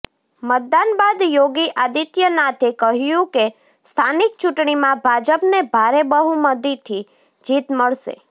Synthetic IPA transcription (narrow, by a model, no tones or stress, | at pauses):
mət̪̚d̪anbad̪joɡiʔad̪it̪jənat̪ʰekəɦjũke | st̪ʰanik̚t͡ʃuʈɳ̃imãbʱad͡ʒəpnebʱaɾebəɦuməd̪it̪ʰi | d͡ʒit̪məɭʃḛ